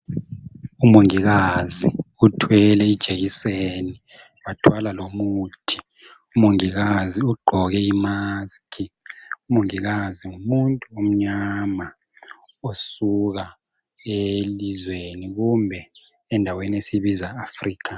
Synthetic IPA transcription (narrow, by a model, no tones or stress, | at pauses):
umoŋiɣazḭutʰwɛlɛid̥ʒ̥ʱeɣiseni | watʰwalalomutʰi̥ | umoŋiɣaziuɡ͡ǃʱɔɣɛimaskʰiumoŋiɣaziŋumuntʼuom̩ɲama | osuɣa | elizweniɣumbʱɛ | ɛndʱaweniesiβizaːfriːkʰa